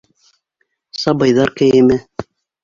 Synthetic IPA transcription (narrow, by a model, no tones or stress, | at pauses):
sɑbɤjðɑɾkæjɘmɘ